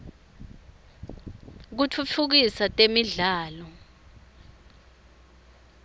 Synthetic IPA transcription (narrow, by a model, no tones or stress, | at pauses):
k̬ut͡fʰut͡fʰuk̬isatʼemiɮaːlɔ